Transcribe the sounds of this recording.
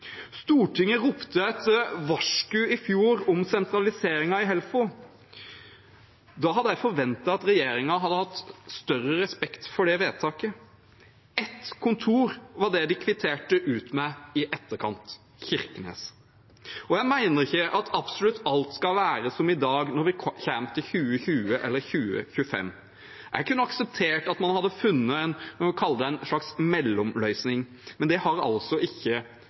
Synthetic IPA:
st̪uːʈʰɪŋːəɾʊpt̪əɛt̪əʋɑʂkʉɪfjuːɾɔmsɛnt̪ɾɑlɪseːɾɪŋɑɪɦɛlfʊ | d̪ɑːɦɑd̪ːəjæɪfɔɾʋɛnt̪ɑɑt̪ɾɛjeːɾɪŋɑɦɑd̪ːəhɑt̪ːst̪œrəɾɛspɛkt̪fɔɖɛʋeːt̪ʰɑːkə | ɛt̪kʰʊnt̪ʰuːɾʋɑɖɛd̪ɪkʰʋɪt̪ʰeːʈəʔʉːt̪mæɪɪʔɛt̪ːəkʰɑ̰nt̪ | çɪɾkənḛːs | ɔjæɪmæɪnəɾɪçəʔɑt̪ʰɑb̥sʊlʉt̪ʰːɑlt̪skɑlʋæːɾəsɔmɪd̪ɑːɡnɔɾʋɪçæmt̪ʰɪçʉːəçʉːəʔɛ̰lːəɾçʉːə̰çʉəfɛ̰mː | ʔæ̰ɾkʰʉnːəɑksəp̚t̪ʰeːʈɑt̪mɑnhɑd̪ːəfʉnːəænkʰɑlːəd̪əæɪnʂɭɑksmɛlːɔmlœʏsnɪŋ | mɛnd̪ɛhɑɾɑ̰lsɔʔɪçːə

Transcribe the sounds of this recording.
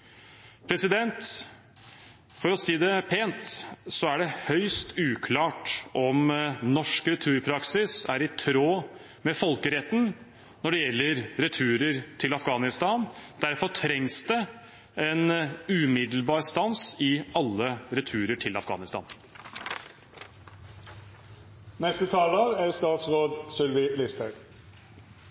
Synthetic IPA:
pʰɾɛsɪd̪ɛnt̪ | fɔɾɔsiːd̪ɛpʰeːnt̪sɔæɖɛhœʏst̪ʰʉːkʰlɑːʈʔɔmnɔʂkɾɛt̪ʰʉːɾpʰɾɑksɪsæɾɪt̪ʰɾoː | mɛfɔlkəɾɛt̪ːn | nɔɖɛjɛlːəɾɾɛt̪ʰʉːɾəɾt̪ʰɪlɑfɡɑːnɪst̪ɑːnd̪̥æɾfɔʈʰɾɛŋsd̪ɛ | ɛnʉmɪd̪l̩bɑːɾst̪ɑnsɪɑlːəɾɛt̪ʰʉːɾəʈʰɪlɑfɡɑ̰ːnɪst̪ɑ̰ːn | nɛst̪ət̪ʰɑːlɑɾæɾst̪ɑːt̪sɾoːd̪sʏlʋɪlɪst̪əɡ

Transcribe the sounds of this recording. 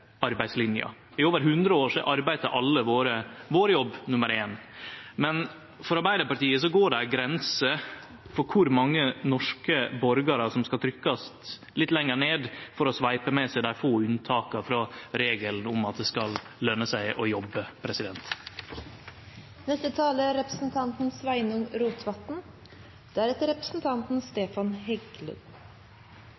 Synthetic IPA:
ɑɾbæɪslɪnjɑ̰ | ɪoːʋəɾɦʉnd̪ɾəoːʂiʔɑɾbæɪt̪əɾʔɑlːəʋoːɾəʋoːɾəjɔbːnʉməɾeːnmɛn | fɔɾɑɾbæɪd̪əɾpɑʈiːəs̬ɔɡoːɖæɡɾɛnsə | fɔɾkʰʊɾmɑŋːənɔʂkəbɔɾɡɑɾəsɔmskɑlt̪ʰɾʏkːɑs | lɪt̪ːlɛŋːəɳeːd̪fɔɾɔsʋɑɪpəmɛsæɪd̪æɪfoːʉnt̪ʰɑːkɑfɾɑɾeːɡəlnʊmɑt̪̚d̪ɛskɑl | lœnːəsæɪʔɔjɔbːəpʰɾɛsɪd̪ɛnt̪ | nɛst̪ət̪ʰɑːləɾɛpɾəsn̩t̪ʰɑnt̪n̩sʋæɪnʊŋɾuːt̪ʰʋɑt̪n̩ | d̪̥ɛæːɾɛt̪əɾɛpɾə̥sn̩t̪ʰɑnt̪n̩st̪eːfɑnhɛɡlə̰n

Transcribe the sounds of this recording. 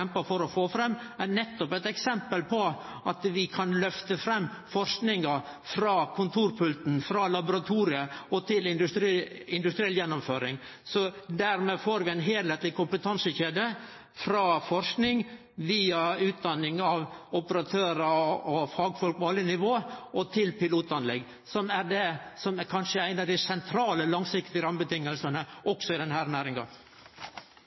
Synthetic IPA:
ɛmpəfɔɾɔfoːfɾɛmː | ænɛt̪ːɔpɛɪt̪ɛksɛmpəlpʰɔ | ʔɑt̪ʋɪkʰɑnlœft̪əfɾɛmːfɔɾʂknɪŋɑ | fɾɑːkʰʊnt̪ʰuːɾpʰʉlt̪n̩fɾɑːlɑbʊɾɑt̪ʰuːɾɪəɔt̪ʰɪlɪnd̪ʉɾ | ɪnd̪ʉst̪ɾiɛljɛnːʊmføːɾɪŋsɔd̪æɾmɛfoːɾʋɪæɪnɦeːlheːt̪lɪkʰʊmpət̪ʰɑnsəçeːd̪ə | fɾɑːfɔɾʂknɪŋ | ʋiːɑʉːt̪̚d̪ɑnːɪŋɑʋɔpəɾɑt̪ʰøːɾəɔfɑːɡfɔlk̚pɔɑlːənɪʋoːʔɔt̪ʰɪlpɪluːt̪ɑnlɛɡ | sɔmæɾɖ̪ɛsɔmækʰɑnʂəæɪnɑʋd̪æɪsɛnt̪ʰɾɑːləlɑŋsɪkt̪ɪəɾɑmbət̪ɪŋːəlsənəʔɔksɔɪd̪ɛnhæːɾnæːɾɪŋɡɑ̰

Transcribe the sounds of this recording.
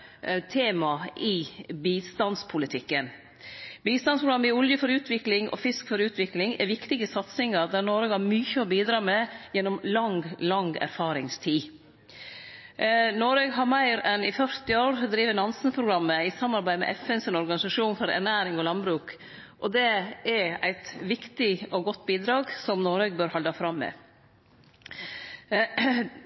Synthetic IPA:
t̪ʰeːmɑʔɪbiːst̪ɑnspʰʊlɪt̪ʰɪkːən | biːst̪ɑnspɾʊɡɾɑmːəɪʊljəfɔɾʉːt̪ʰʋɪklɪŋʔɔ̰fɪskfɔɾʉːt̪ʰʋɪklɪŋɛ̰ɾʋɪkt̪ɪɡəsɑt̪sɪŋɑɾd̪æːɾnoːɾøːɡhɑɾmyːçəɔbiːd̪ɾɑːmɛjɛnːɔmlɑŋɡlɑŋɡæ̰ɾfɑːɾɪŋst̪ʰiː | noːɾøːɡɦɑɾmæɪɾɛnɪfœɾt̪ɪoːɾd̪ɾiːʋənɑnsənpʰɾʊɡɾɑmːəɪsɑmːɑɾbæɪmɛ̰ʔɛfɛnsənɔɾɡɑnɪsɑʂuːnfɔɾæ̰næːɾɪŋɔlɑnbɾʉːk | ʔɔd̪ɛɛɾæ̰ɪt̪ʋɪkt̪ɪɔɡɔt̪ːbiːd̪ɾɑːɡsɔmnoːɾøːɡbøːɾhɑld̪ɑfɾɑmːɛ̰

